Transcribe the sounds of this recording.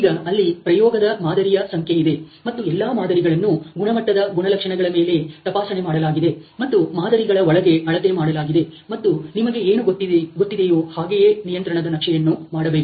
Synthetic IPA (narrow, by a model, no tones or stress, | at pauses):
iːɡɐɐlːipɾɐjɔːɡɐd̪ɐmaːd̪ɐɾijɐsɐŋkʰjeid̪e̞mɐt̪ːuɛlːaːmaːd̪ɐɾiɡɐɭɐnːuɡuɳɐmɐʈːɐd̪ɐɡuɳɐlɐkʂɐɳɐɡɐɭɐme̞ːle̞t̪ɐpaːsɐnemaːɽɐlaːɡid̪e̞mɐt̪ːumaːd̪ɐɾiɡɐɭɐɔɭɐɡe̞ɐɭɐt̪emaːɽɐlaːɡid̪e̞mɐt̪ːunimɐɡe̞eːnuɡot̪ːiɡot̪ːid̪ejoːhaːɡejeːnijɐnt̪ɾɐɳɐd̪ɐnɐkʂɛjɐnːumaːɽɐbeːku